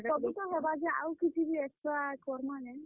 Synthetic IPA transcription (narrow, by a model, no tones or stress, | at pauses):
kɔbit̪ɔɦebad͡ʒɛa̰wkit̪ʰibieksʈɾakɔɾmanen